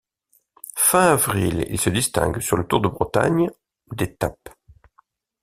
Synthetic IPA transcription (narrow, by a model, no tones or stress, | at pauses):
fɛ̃avʁilḭlsəd̪ist̪ɛ̰̃ɡsyʁlət̪uʁd̪əbʁət̪a̰ɲ | d̪et̪ap